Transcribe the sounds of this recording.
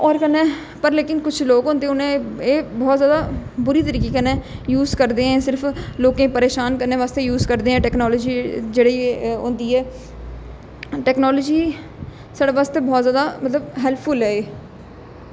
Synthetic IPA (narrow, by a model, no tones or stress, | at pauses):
ɔːɾkənẽː | pəɾleːkɪnkʊt͡ʃʰloːkɦõːnd̪eːʊnẽːeːbɔːt̪zjaːd̪aːbʊɾiːt̪əɾiːkiːkənẽːjuːzkəɾd̪eːɛ̃ːsɪɾpʰloːkẽːpəɾeːʃaːnkənːẽːʋaːst̪eːjuːzkəɾd̪eːɛ̃ːʈɛːknɔːlɔːd͡ʒiːd͡ʒeːɽeːõ̰ːnd̪iːɛː | ʈɛːknɔːlɔːd͡ʒiː | saɽeːʋaːst̪eːbɔːt̪zjaːd̪aːmət̪ləbɦɛlpʰːʊlɛːeː